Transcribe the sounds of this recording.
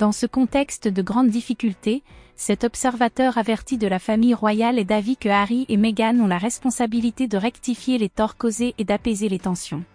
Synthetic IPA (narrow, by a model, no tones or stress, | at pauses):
d̪̥ɑ̃səkɔ̃t̪ɛkst̪d̪əɡʁɑ̃d̪ːifikʲylt̪esɛt̪ɔpsɛʁvat̪œʁavɛʁt̪id̪əlafamijʁwajaled̪avikəaʁiʔemeɡanɔ̃laʁɛspɔ̃sabilit̪ed̪əʁɛkt̪ifjelet̪ɔʁkozeʔed̪apezelet̪ɑ̃sjɔ̃